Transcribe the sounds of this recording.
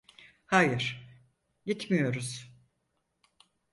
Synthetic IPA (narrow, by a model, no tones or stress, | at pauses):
hajɯɾ̥ | ɟit̪mijo̞ɾuz̥